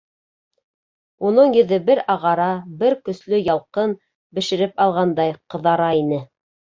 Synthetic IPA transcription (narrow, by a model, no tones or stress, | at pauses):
unɤɴjɵ̆ðɘbɘɾɑʁɑɾɑbɘɾkɵ̆slɵjɑlˠqɤn | bɘ̆ʃɘ̆ɾɘpɑlˠʁɑnd̪ɑjqɤ̆ðɑɾɑinɘ